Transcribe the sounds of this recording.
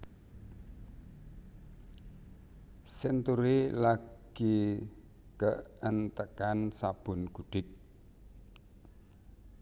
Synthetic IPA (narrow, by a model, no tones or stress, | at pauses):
sent̪uɾilaɡ̥i | kəʔənt̪əkansab̥ʊ̤nɡ̥uɖ̥ɪk̚